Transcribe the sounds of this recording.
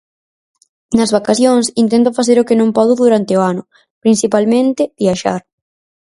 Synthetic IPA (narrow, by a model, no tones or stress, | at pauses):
nɐzβakaθjoŋsint̪ɛnt̪ʊfaθeɾʊkɪnõmpɔðʊðuɾant̪ɪoanʊ | pɾinsipalmẽnt̪ɪbiaʃa̰ɾ